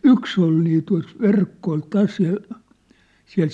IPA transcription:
yks ol niː tuɑ̝s ʋerkːo ol tæs jɑ siæ̝l

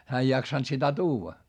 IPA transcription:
hæː ei jɑksɑnt sitæ tuːʋɑ

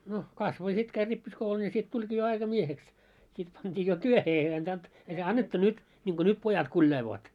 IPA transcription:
no kɑsʋo jɑ sit kæi ripːiskoulun jɑ sit tulʲɡ̊iː jo ɑikɑmieheks sit pɑntʲiː jo tyøhe ei ɑntɑnt ei se ɑnːetːu nyt nʲiŋɡ̊o nyt pojɑt kulʲjɑiloːt

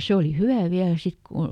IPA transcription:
se oli hyʋæˑ ʋiælæ sit ku

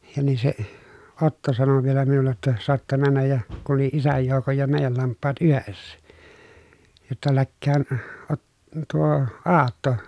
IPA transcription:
jɑ niː se otːo sɑno ʋielæ minulːe tːɑ soɑtːɑ mænːæj jɑ kun̞ oli isæj joukoj jɑ meˑijæl lɑmpːɑːt yhesːæ jotːɑ lækːæːn ot tuo ɑːtːo

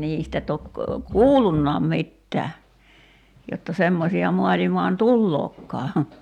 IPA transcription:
niːstæ tok kuːlːunːɑːm mitːæː jotːɑ semːosiɑ muɑlimɑːn tulːoːkːɑː

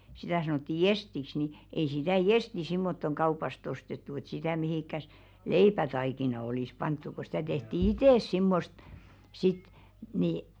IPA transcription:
sitæˑ sɑnotːi jestiks ni ei sitæˑ jesti simːotːoŋ kɑupɑst ostetːu et sitæˑ mihiˑkːæs leipætɑikinɑ oliˑs pɑntːu ko stæ tehti iteˑs simːost sit ni

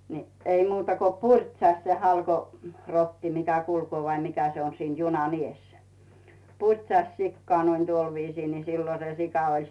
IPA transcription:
ni ei muːtɑ ko purʲtsɑht se hɑlko rotːi mikæ kulkoː ʋɑi mikæ se on siːn junɑn ies purʲtsɑsʲ sikːoɑˑ noin tuol ʋiːsiː ni silːo se sikɑ olʲ

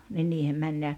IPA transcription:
ni niːhem mænʲ jɑ

